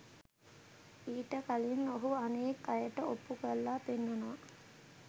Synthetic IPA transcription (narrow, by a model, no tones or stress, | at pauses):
iːʈəkalinːoɦuanekːajəʈəopːukəlːaːpenːənoʋa